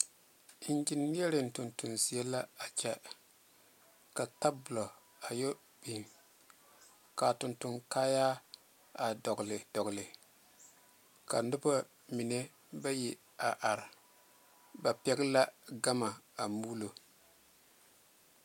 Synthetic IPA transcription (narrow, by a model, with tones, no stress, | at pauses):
n˦d͡ʒɪ˦nːi˦ɛ˦ɾɪ˨n̩˨tʊ˨ntu˨nzi˨a˦la˦a˨t͡ʃɛ˦ | ka˨ta˦bʊ˨lɔ˨ | a˨jo˦ | b̥i˨n˨ | ka˨tʊ˨ntu˨nkaː˦jaː˦ | a˨dɔ˨ɡlɪ˨dɔ˨ɡlɪ˨ | ka˨nʊ˦ba˦ | mi˨ne˦ | ba˦ji˨ | a˨ʔa˨ɾ | ba˨pɛ˦ɡɪ˦la˦ɡa˦ma˨a˨muː˦lo˨